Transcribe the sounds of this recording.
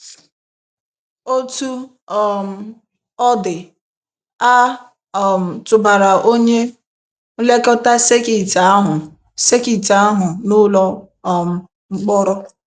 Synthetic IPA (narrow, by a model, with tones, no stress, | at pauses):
o˦tu˦ | m̩˨ | ɔ˦dɪ˨ | a˦˨ | m̩˨tʊ˨ba˨ɾa˨ʔo˦ɲe˦ | le˦kɔ˦ta˦se˦ki˨ta˨˦ɦʊ˨ | se˦ki˨ta˨a˦ɦʊ˨nʊ˦lɔ˦˨ | m̩˨ | ŋ͡m̩˦k͡pɔ˦ɾɔ˦